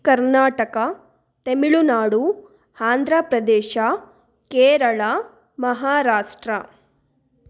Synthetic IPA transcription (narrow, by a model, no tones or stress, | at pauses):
kɐɾnaːʈɐkɐ | t̪emiɭunaːɽu | haːnd̪ɾapɾɐd̪eːʃa | keːɾɐɭa | mɐɦaːɾaːʂʈɾɐ